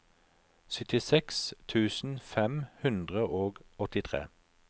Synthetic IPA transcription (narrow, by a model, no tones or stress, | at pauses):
sʏt̪ɪsɛkst̪ʰʉːsn̩fɛmhʉnd̪ʁəʔoːɡɔt̪ɪt̪ʰʁḛː